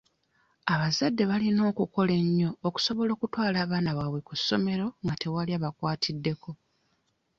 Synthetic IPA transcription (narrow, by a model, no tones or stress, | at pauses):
aβazadːe̞βalino̞ːkuko̞le̞ɲːo̞ːku̥so̞βo̞lo̞ːkutwaːlaːβaːnaβaβwe̞kusːo̞me̞ɾo̞ŋɡatʰe̞waliaːβakwaːtʰidːe̞kʰo̞